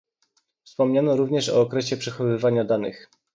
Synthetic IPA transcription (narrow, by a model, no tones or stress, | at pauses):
fspɔmɲanɔɾuvɲɛʂɔ̰ːkɾɛɕɛpʂɛxɔvɘvaɲad̪anɘ̰x